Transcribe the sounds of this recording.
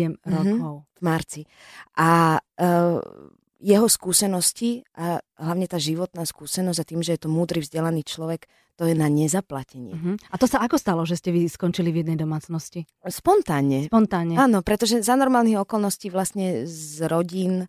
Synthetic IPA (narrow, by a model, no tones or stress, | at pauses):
ɛmɾɔkɔʊvmaɾt͡si | ʔa | jɛɦɔskuːsɛnɔsciʔaɦlaʋʊɲɛt̪aːʒiʋɔt̪naːskuːsɛnɔzɟat̪iːmʒɛjɛt̪ɔmuːd̪ɾivzɟɛlaniːt͡ʃlɔʋɛk | t̪ɔjɛnaɲɛzaplacɛɲɪɛɦ̩at̪ɔsaakɔst̪alɔʒɛscɛʋiskɔnt͡ʃilivjɛd̪nɛjd̪ɔmaːt͡snɔsci | spɔnt̪aːɲɛpɔnt̪aːɲɛaːnɔpɾɛt̪ɔʒɛzanɔɾmaːlniɣɔkɔlˠnɔsciːʋlasɲɛzɾɔɟiːn